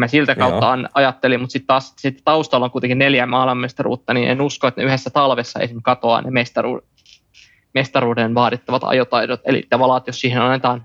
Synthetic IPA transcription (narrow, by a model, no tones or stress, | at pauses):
mæsilt̪ækkɑut̪ːɑɑnɑjɑt̪ːelimmut̪sit̪tɑːssit̪ːt̪ɑust̪ɑlːoŋkujt̪eŋkineljæmɑːilmɑmest̪ɑrṵːt̪ːɑninʔḛnuskoet̪neyhesːæt̪ɑlʋesːɑḛsimkɑt̪oɑ̰ːnemest̪ɑrṵː | mest̪ɑɾuːdenʋɑːɾit̪ːɑʋɑt̪ɑ̰jot̪ɑidot̪ḛlḭt̪ːæʋɑlɑt̪jossiːhenɑnːet̪ɑːn